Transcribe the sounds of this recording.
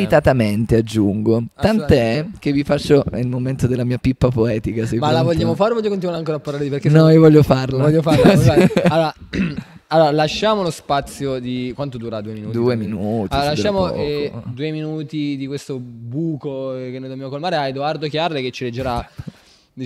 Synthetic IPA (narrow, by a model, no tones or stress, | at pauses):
ɾit̪at̪ament̪ead͡ʒːuŋɡot̪ant̪oɛkevːifat͡ʃːoelmoment̪od̪elːamiːapipːapoɛːt̪ikasemalavoʎːaːmofaːɾevɔʎːokont̪inwaɾeaŋkoːɾeapːarlaɾd̪ipeɾkenɔiovɔʎːofarlavɔʎːofaɾaalːoːɾa | alːoːɾalaʃːaːmolospat̪sːjod̪ikwant̪od̪uːɾad̪uːeminuːtd̪uːeminuːt̪iloalaʃːaːmod̪uːeminuːt̪id̪ikwest̪obuːkokenːojd̪objamokolmaːɾeajd̪oard̪okjarːeket͡ʃːiled͡ʒːeɾa